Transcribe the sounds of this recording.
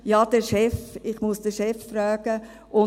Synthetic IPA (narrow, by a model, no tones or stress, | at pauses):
jɑːd̥ɛʃɛfɪχmusd̥əʃɛfːɾœːɡ̥ə | ʔʊ